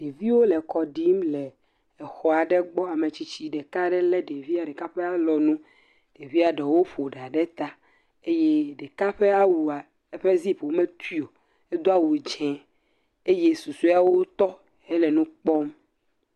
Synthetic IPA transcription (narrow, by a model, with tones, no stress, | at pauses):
ɖ̥e˨vi˦wo˦lɛ˨kɔ˨ɖi˦mlɛ˨ | ɛ˨xɔ˦a˨ɖɛ˦ɡ͡bɔ˦a˨me˨t͡ɕi˦t͡ɕi˦ɖɛ˨ka˦ɖɛ˦lɛ˦ɖe˨vi˦a˨ɖɛ˨ka˦ɸɛ˦a˨lɔ˨nũ˦ | ɖ̥e˨vi˦a˨ɖe˨wo˦ɸo˨ɖa˨ɖɛ˦t̪a˦ | e˦je˦ɖɛ˨ka˦ɸɛ˦a˦wu˨a˨ | ɛ˦ɸe˦zi˦ɸwo˦mɛ̃˦t̪ʰi˦o˨ | e˦d̪o˦a˦wu˨d͡ʒɛ̃˨ | e˦je˦su˨su˦a˨wo˦t̪ɔ˦ | ɛ˦lɛ˨nũ˦k͡pɔ˦m